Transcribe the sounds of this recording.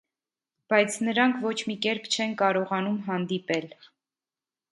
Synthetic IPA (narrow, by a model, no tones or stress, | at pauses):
b̥ɑjt͡sʰnəɾɑŋkʰvɔt͡ʃʰmikɛɾpʰt͡ʃʰɛnkɑɾɔʁɑnumɦɑnd̪ipɛl